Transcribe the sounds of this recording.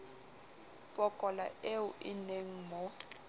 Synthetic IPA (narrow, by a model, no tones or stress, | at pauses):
pʼɔkʼɔla̰ʔeʊʔineŋ̩mɔ